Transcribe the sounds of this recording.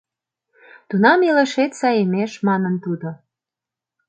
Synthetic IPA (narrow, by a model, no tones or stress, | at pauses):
t̪unɑmeleʃet̪sɑjemeʃmɑnənt̪ud̪o